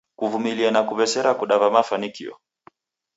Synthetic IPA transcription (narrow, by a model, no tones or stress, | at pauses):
kuvumilianakuvɛsɛɾakuɗavamafanikḭɔ̰